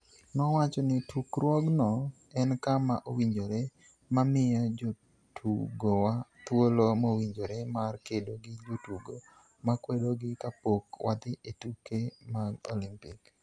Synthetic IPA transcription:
nɔwat͡ʃɔnɪtʰukɾwɔɡnɔ | ɛnkamaʔowiɲd͡ʒoɾe | mamɪjad͡ʒo | tʰuɡowat̪wolomowiɲd͡ʒoɾemarkedoɡɪd͡ʒotuɡo | makwedoɡɪkapokwʔad̪ɪʔetukemaɡo̰lɪmpɪk

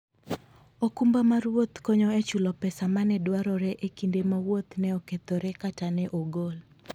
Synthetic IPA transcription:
okumbamaɾwot̪kɔɲɔet͡ʃulɔpɛsamanɛdwaɾɔɾɛʔekindemawot̪nɛɔket̪oɾɛkatanɛʔoɡol

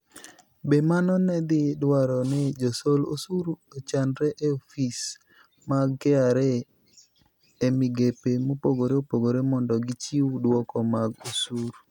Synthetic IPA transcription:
bemanɔnɛd̪ɪdwaɾɔnɛd͡ʒosolo̰suɾot͡ʃanɾɛʔeofis | maɡɛaɾe | emɪɡepemopoɡoɾeopoɡoɾemɔndɔɡɪt͡ʃiwdwɔkɔmaɡosuɾ

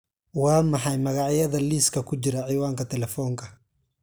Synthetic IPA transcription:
wɑːmɑħɑjmɐɣɑʕjɐðɐliːskʰɐkʰʊt͡ʃɪɾɐʕiːwaːŋkʰɐt̪ʰɛlɛfɔːŋkʰɐ

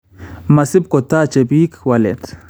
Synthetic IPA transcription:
masib̚kot̪at͡ʃebiːkwalḛt̪

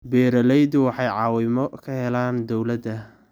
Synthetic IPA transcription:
bɛːɾɐlɛjd̪ʊwɑħɑjʕɑːwɪmɔkʰɐhɛlaːnd̪ɔwlɐd̪ɐ

